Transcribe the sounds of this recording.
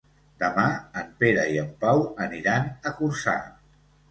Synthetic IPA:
d̪əmaəmpeɾəiəmpawəniɾanəkursa̰

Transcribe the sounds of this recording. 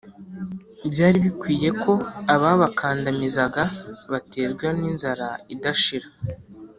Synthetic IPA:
bjaːɾiβikwiːje̞kʰo̞aβaβakʰaːndamizaɡaβate̞ːzɡweninzaɾaidaʃiɾḁ

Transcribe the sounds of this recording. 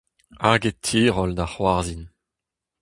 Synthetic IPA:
aɡetʰːiːʁɔld̪aχwaʁzin

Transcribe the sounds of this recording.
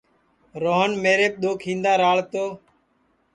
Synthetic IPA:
ɾoːɦənmeːɾeːp̚ɗ̪oːkʰĩːnd̪aːɾaːɭt̪oː

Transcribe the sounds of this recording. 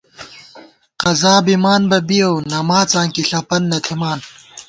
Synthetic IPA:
qɐzaːbimaːnbɐbijownɐmaːt͡sãːŋkiɬɐpɐnːɐt̪ʰimaːn

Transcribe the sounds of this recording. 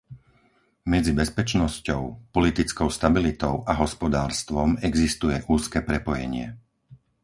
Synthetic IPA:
mɛd͡zibɛspɛt͡ʃnɔscɔʊpɔlit̪it͡skɔʊst̪abilit̪ɔʊʔaɦɔspɔd̪aːɾst̪ʋɔmɛɡzist̪ujɛʔuːskɛːpɾɛpɔjɛ̰ɲɪɛ̰

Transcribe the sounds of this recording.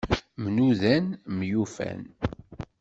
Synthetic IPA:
mnuðænmjufæ̰n

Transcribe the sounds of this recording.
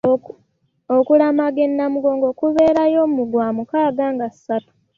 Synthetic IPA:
okulamaɡe̞nːamuɡo̞ːŋɡo̞kuβe̞ːɾajo̞ːmumuɡwaːmukaːɡaːŋɡasatu̥

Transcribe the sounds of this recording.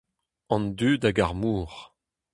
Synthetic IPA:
ɑ̃nd̪yːdaɡaʁmuːʁ

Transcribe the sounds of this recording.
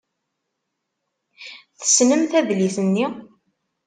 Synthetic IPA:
θə̥snəmθæðliθənːi

